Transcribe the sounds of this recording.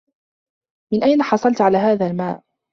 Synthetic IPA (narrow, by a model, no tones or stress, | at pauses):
mɪnʔajnaħɑsˤɑlt̪ʕalaːɦaːðaːlmaːʔ